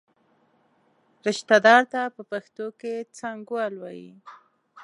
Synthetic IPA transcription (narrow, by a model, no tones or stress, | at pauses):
ɾɪʃt̪ad̪ɑɾt̪apəpaxt̪oket͡saŋɡwalwɑjḭ